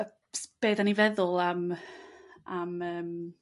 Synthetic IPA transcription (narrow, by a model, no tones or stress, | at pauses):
sb̥eːdanivɛðʊlˠam | aməːm